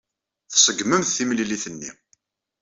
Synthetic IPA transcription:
θsəɡməmθθimliliθənːḭ

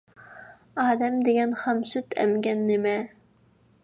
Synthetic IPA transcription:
ɑːd̪ɛmd̪eɡʲɛnχɑmsyt̪ʰɛ̰mɡʲɛnːɪmɛ

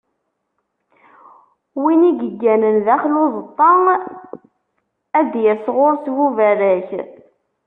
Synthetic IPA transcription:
winiɡəɡːænənðæχlʊðˤt̪ˤːɑŋ | æd̪jæsʁoɾˤswuvæɾæç

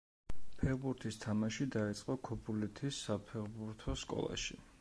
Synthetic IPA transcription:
pʰɛɾbuɾt̪ʰist̪ʰamaʃid̪ait̪sʼqʼɔkʰɔbulit̪ʰisːapʰɛɾbuɾt̪ʰɔskʼɔ̰lˠa̰ʃi

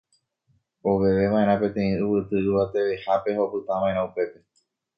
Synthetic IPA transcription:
oʋe̞ʋe̞ʋãẽɾ̃ãpẽ̞t̪ẽ̞ĩɨβɨt̪ɨɨʋat̪e̞ʋe̞hape̞ho̞pɨt̪ãʋãʔeɾ̃ãupe̞pe̞

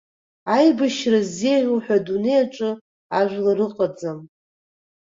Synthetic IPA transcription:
ajbɨʃrazːejʕʷuħᶣadune̞jaʈ͡ʂʼɨ | aʒʷᶣlaɾɨqʼad͡zam

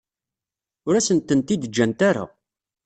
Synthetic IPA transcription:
ʊɾæsənt̪ənt̪id̪əd͡ʒːænt̪aɾa̰

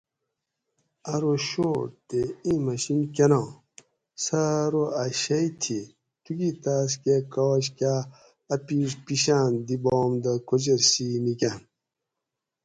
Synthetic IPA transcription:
ɐɾoɕoːt̪eĩmɐɕinkʲenã | sɐɾoɐɕɐit̪ʰi | t̪uɡit̪as̬kekɐwɐɕ̬ka | ɐpispiɕaːnd̪ibomd̪ɐkʰod͡ʑeɾsinikʲan

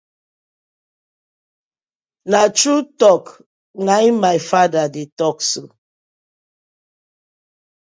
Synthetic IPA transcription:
nat͡ʃɾutɔk | ŋamaɪfadadetɔkso

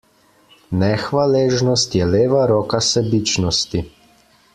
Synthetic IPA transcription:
nɛxʋaleːʒnɔst̪jɛleːʋaɾɔːkasɛbit͡ʃnɔst̪i

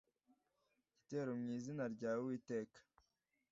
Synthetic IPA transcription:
iteːɾomŋiːzinaɾɟaːwiːte̞ːkḁ

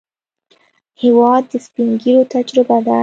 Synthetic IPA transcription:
hewɑd̪̚ːəspiŋɡiɾot̪ad͡ʒɾɪbad̪a

